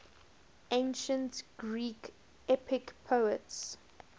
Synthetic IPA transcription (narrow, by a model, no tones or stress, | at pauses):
ẽɪnʃə̃ntɡ̥ɹiːk | ɛpɪkpʰoəts